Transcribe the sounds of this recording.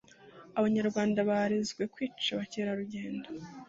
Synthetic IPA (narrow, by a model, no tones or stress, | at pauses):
aβaɲaɾɡwaːndaβaɾezɡwe̞kwiːt͡ʃaβaceːɾaɾuɟe̞ːndo